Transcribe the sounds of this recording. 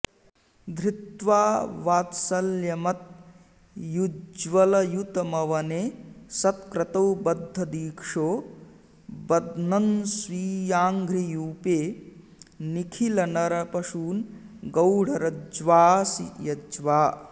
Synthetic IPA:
d̪ʱɾɪt̪ʋaːʋaːt̪sɐljɐmɐt̪̚ | jud͡ʒʋɐlɐjut̪ɐmɐʋɐneːsɐt̪kɾɐt̪ɐwbɐd̪ʱːɐd̪iːkʂoː | bɐd̪nɐnsʋiːjaːŋɡɾijuːpeː | nikʰilɐnɐɾɐpɐʃuːnɡɐwɽ̤ɐɾɐd͡ʒʋaːsijɐd͡ʒʋaː

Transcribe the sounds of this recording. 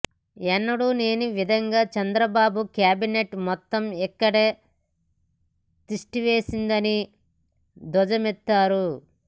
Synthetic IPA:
ɛnːɐɽune̞ːnuʋid̪ʱɐŋɡaːt͡ʃɐnd̪ɾɐbaːbukjaːbineʈmɔt̪ːɐmɛkːɐɽe̞ː | t̪iʂʈiʋe̞ːsind̪ɐni | d̪ɔd͡ʒɐmɛt̪ːaːɾu

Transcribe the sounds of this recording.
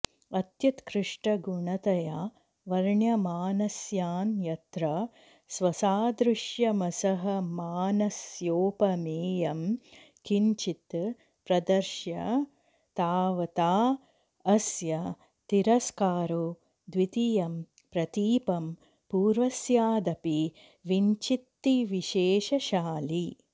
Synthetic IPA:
ɐt̪jɐt̪kɾɪʂʈɐɡuɳɐt̪ɐja | ʋɐɾɳjɐmaːnɐsjaːnjɐt̪ɾɐ | sʋɐsaːd̪ɾɪʃjɐmɐsɐɦɐmaːnɐsjoːpɐmeːjɐm | kiɲt͡ʃit̪ | pɾɐd̪ɐɾʃjɐ | t̪aːʋɐt̪aː | ɐsjɐ | t̪iɾɐskaːɾu | d̪ʋit̪ijɐm | pɾɐt̪iːpɐm | puːɾʋɐsjaːd̪ɐpi | ʋiɲt͡ʃit̪ːiʋiʃeːʃɐʃaːli

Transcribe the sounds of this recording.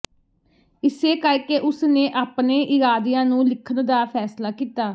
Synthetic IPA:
ɪseːkəɾkeʔʊsnẽːʔaːpnẽːʔɪɾaːd̪ɪjãːnũːlɪkʰənd̪aːpʰɛːslaːkiːt̪aː

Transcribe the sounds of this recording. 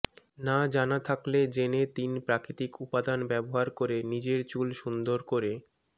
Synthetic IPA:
nad͡ʑanat̪ʰakled͡ʑenet̪inpɾakɾit̪ikupad̪anbɛboɦaɾkoɾenid͡ʑeɾt͡ɕulʃund̪oɾkoɾe

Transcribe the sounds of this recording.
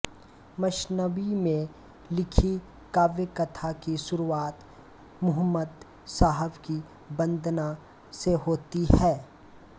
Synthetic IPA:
mɐʃnəʋimẽ | lɪkʰi | kaːʋekət̪ʰakiʃʊɾuaːt̪ | mʊɦəmːəd̪ | saːɦəbki | bə̃nd̪ʱna | seɦoːt̪iɦɛː

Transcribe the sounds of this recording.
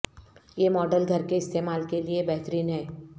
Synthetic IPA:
jeːmɔːɖəlɡʱɐɾkeɪst̪eːmaːlkeliebɛɦt̪ɾiːnɦɛː

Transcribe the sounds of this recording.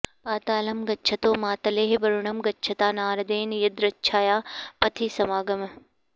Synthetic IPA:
paːt̪aːlɐmɡɐtːt͡ʃʰɐt̪oːmaːt̪ɐleːɦbɐɾuɳɐmɡɐtːt͡ʃʰɐt̪aːnaːɾɐd̪eːnjɐd̪ɾɐtːt͡ʃʰaːjaːpɐt̪ʰisɐmaːɡɐm

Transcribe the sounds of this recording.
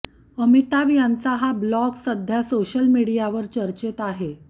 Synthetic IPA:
əmit̪aʋijãnt͡saɦablɔksəd̪ʱjasoɕəlmiɽijaʋəɾt͡ɕəɾt͡ɕet̪aɦe

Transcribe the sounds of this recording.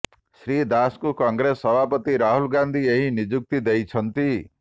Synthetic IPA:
sɾid̪askukʌŋɡɾesːʌbʱapʌt̪iɾaɦulɡand̪ʱieɦĩnid͡ʒuk̚t̪id̪ejt͡sʰʌnt̪i

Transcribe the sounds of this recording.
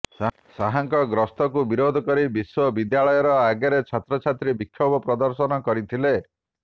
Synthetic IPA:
saɦaŋkɔɡɾɔst̪ɔkubiɾod̪ʱɔkɔɾibiswɔbid̪jaɭɔjɔɾɔaɡjaɾet͡ʃʰat̪ɾɔt͡ʃʰat̪ɾibikʰːjɔbɔpɾɔd̪ɔɾsɔnɔkɔɾit̪ʰile

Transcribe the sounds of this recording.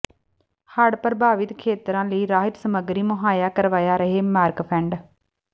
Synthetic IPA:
həɽpəɾbaːʋɪt̪kʰeːt̪ɾãːləiːɾaːɦɪt̪səməɡɾiːmʊɦaːjaːkəɾʋaːjaːɾəɦeːmaːɾkpʰɛ̃ːɳɖ

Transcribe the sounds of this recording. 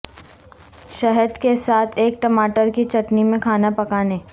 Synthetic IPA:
ʃɛɦəd̪kesaːt̪ʰeːk̚ʈɐmaːʈəɾkit͡ʃɐʈnimẽkʰaːnapɐkaːneː

